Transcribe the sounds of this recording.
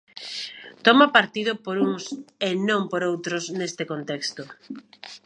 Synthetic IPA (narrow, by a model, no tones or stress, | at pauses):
t̪ɔmapaɾt̪ið̞ʊpoɾuŋsenõmpoɾowt̪ɾʊsnest̪ekont̪ekst̪ʊ